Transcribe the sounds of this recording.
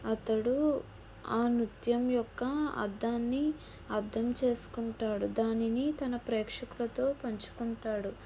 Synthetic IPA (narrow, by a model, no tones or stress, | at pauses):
ɐt̪ɐɽu | aːnit̪jɐmjɔkːɐɐ̰d̪ːaːnːi | ɐɾd̪ʱɐmt͡ʃe̞ːsu̥kuɳʈaːɽud̪aːninit̪ɐnɐpɾɛːkʂɐkulɐt̪o̞ːpɐɲt͡ʃu̥kuɳʈaːɽu